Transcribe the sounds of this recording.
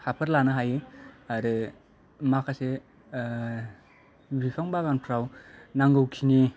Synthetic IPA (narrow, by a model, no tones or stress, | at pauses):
hapʰɯɾlanɯɦajɯaɾɯ | makʰase | bikʰaŋbaɡanpʰɾawnaŋɡɯwkʰini